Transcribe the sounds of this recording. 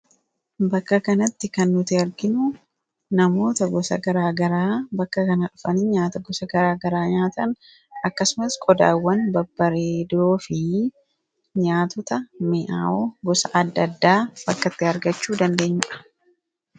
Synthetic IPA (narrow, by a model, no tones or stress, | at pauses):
bɐkːɐkɐnɐt̪ːɪkɐnːʊt̪ɪɐɾɡɪnʊ | nɐmo̞ːt̪ɐɡɔsɐ̰ɡɐɾaːɡɐɾaːbɐkːɐkɐnɐᶑʊfɐnɪɲaːt̪ɐɡɔsɐɡɐɾaːɡɐɾaːɲaːt̪ɐn | ɐkːɐsʊmɐskʼɔd̪a̰ːwːɐnbɐbːɐɾeːd̪o̞ːfɪ | ɲaːt̪ɔt̪ɐmɪʔa̰ːoɡɔsɐʔɐd̪ːɐd̪ːaːb̥ɐkːɐt̪ːɪhɐɾɡɐt͡ʃːuːd̪ɐnd̪e̞ːɲːɪᶑɐ̥